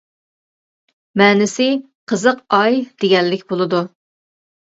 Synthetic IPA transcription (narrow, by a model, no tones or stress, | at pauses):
mɛːnɪsɪ | qʰəzəqɑjd̪̥eɡʲɛlːɪkʲbolˠɨd̪u